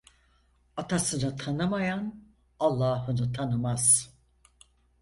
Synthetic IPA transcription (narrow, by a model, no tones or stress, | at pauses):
at̪ʰasɯnɯt̪ʰanɯmajan | alˠːaːɦɯnɯt̪ʰanɯmaz̥